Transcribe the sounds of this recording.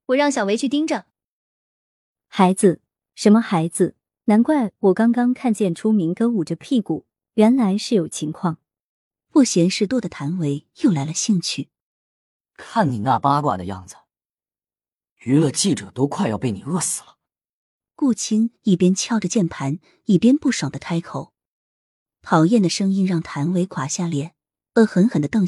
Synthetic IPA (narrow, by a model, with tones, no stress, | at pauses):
wɔ˨˩ɻɑ˥˩ŋɕjɑ˨˩ʊwe˧˥y˥˩t̪̬i˥ŋʈ͡ʂə˨ | xa˧˥ɪd͡zɹ̩˧ | ʂə˧˥nmə˧xa˧˥ɪd͡zɹ̩˧ | na˧˥nkwa˥˩ɪwɔ˨˩kɑ˥ŋkɑ˥ŋkʰa˥˧nt͡ɕjɛ˥˩nʈ͡ʂʰu˥mi˧˥ŋkɤ˥u˨˩ʈ͡ʂə˦pʰi˥˩ku˨˩ | ɥɛ˧˥nla˧˥ɪʂɻ̩˥˩jo˨˩ʊt͡ɕʰi˧˥ŋkʰwɑ˥˩ŋ | fu˥˩ɕjɛ˧˥nʂɻ̩˥˧t̪wɔ˥˩d̪ə˩t̪ʰa˧˥nwe˧˥ɪjo˥˩ʊla˧˥ɪlə˧ɕi˥˧ŋt͡ɕʰy˥˩ | kʰa˥˩nni˨˩na˥˩pa˥kwa̰˥˩d̪ə˧jɑ̰˥˩ŋd͡zɹ̩˩ | y˧˥lə˧t͡ɕi˥˩ʈ͡ʂɤ˨˩˦t̪o˥ʊkʰwa˥˧ɪjɑ˥˧ʊp̬e˥˩ɪni˨˩ɤ˥˩sɹ̩̥˨˩lə˦ | ku˥˩t͡ɕʰi˥ŋi˥˩pjɛ˥nt͡ɕʰjɑ˥ʊʈ͡ʂə˨t͡ɕjɛ˥˩npʰa˧˥n | i˥˩pjɛ˥npu˥˩ʂo˨˩d̪ə˦t̪ʰa˥ɪkʰo˨˩˦ʊ | pʰɑ˨˥ʊjɛ˥˩nd̪ə˩ʂɤ˥ŋi˥nɻɑ˥˩ŋt̪ʰa˧˥nwe˧˥ɪkʰwa˨˩ɕja˥˩ljɛ˨˩˥n | ə˧˥xə˧˥nxə˨˩nd̪ə˦t̪ɤ˥˧ŋ